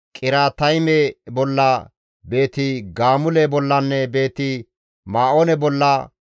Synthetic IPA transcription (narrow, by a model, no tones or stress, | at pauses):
kʼɪɾaːt̪ɐjmɛbɔlːɐ | be̞ːt̪ɪɡaːmʊlɛbɔlːɐnːɛbe̞ːt̪ɪ | maːʔoːnɛbɔlːɐ